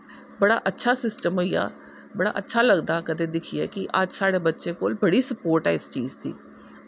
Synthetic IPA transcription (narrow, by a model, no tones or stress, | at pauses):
bəɽaːʔətːʃʰaːsɪsʈəmɦoija̰ː | bəɽa̰ːʔətːʃʰaːləɡd̪aːkəd̪eːd̪ɪkʰiɛːkɪʔəd͡ʒsaːɽeːbətːʃẽːkoːlbəɽiːsəpoːɾʈɛːɪst͡ʃiːzd̪ḭː